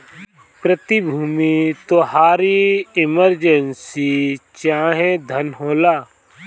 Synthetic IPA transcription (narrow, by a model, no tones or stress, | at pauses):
pɾət̪ibʱuːmit̪oɦaːɾiɪməɾd͡ʒənsit͡ʃãːɦẽd̪ʱənɦoːlaː